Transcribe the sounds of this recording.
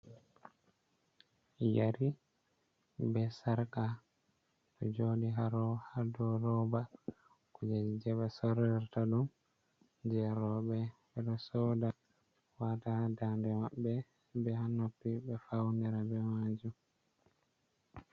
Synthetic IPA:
jaɾi | bɛsaɾka | tɔd͡ʒoːɗiɦaɾɔhadɔɾɔba | kud͡ʒad͡ʒid͡ʒɛɓasɔɾɛɾtaɗum | d͡ʒɛɾɔɓɛɓɛɗɔsɔda | watadandɛmaɓːɛ | bɛhanopːibɛfawniɾabɛmad͡ʒum

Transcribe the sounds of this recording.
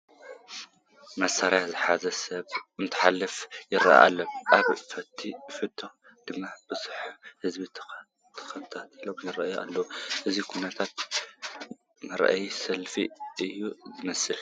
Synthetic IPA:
mɐsaɾjazɨħazɐsɐβʔɨnt̪ʰɨ̥ħalːɨfjɪɾa̰ʔa̰ʔa̰lːɐʔaβfɐt̪ʰːifɨt̪ʰːo | d̪̥ɨmːab̥ɨsu̥ħhɨzbi | t̪ʰɐ̥xɐβt̪ʰat̪ʰilomjɪrɐʔjuʔa̰lːɐwuʔɨzikʰunɐt̪ʰat̪̚ | mɐɾa̰ʔa̰jsɐlfḭʔɨjːuzɨmɐsɨl

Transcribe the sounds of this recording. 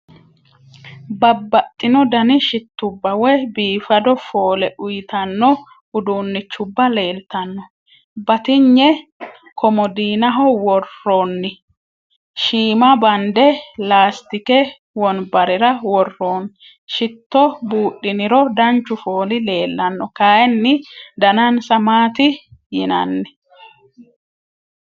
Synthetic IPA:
bɐbːɐt̪ʼːɪnɔd̪ɐnɪʃɪt̪ːʊbːɐwɛjbiːfɐd̪ɔfo̞ːlɛʔʊjɪt̪ɐnːɔ | ʔʊd̪uːnːɪt͡ʃːʊbːɐle̞ːlt̪ɐnːɔ | bɐt̪ɪɲːɛ | kʰɔmɔd̪iːnɐɦɔwɔrːoːnːɪ | ʃiːmɐbɐnd̪ɛlaːst̪ɪkɛ | wɔnbɐɾɛɾɐwɔrːoːn | ʃɪt̪ːɔbuːʔːɪnɪɾɔd̪ɐnt͡ʃːʊfoːlɪle̞ːlːɐnːɔkaːʔɛnːɪd̪ɐnɐnsɐmaːt̪ɪjɪnɐ̰nːɛ̥

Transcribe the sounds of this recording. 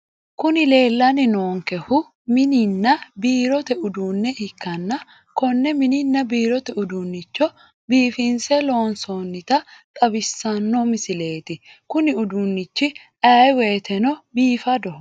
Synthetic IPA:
kʊnɪle̞ːlːɐnɪnoːŋkɛhʊ | mɪnɪnːɐbiːɾɔt̪ɛʊd̪uːnːɛɪkːɐnːɐ | kɔnːɛmɪnɪnːɐbiːɾɔt̪ɛʊd̪unːɪt͡ʃːɔ | biːfɪnsɛlo̞ːnsonːɪt̪ɐt̪ʼɐbɪsːɐnːɔmɪsɪle̞ːt̪ɪ | kʊnɪʊd̪unːɪt͡ʃːɪ | ʔɐjwe̞ːt̪ʰɛnɔbiːfɐd̪ɔh

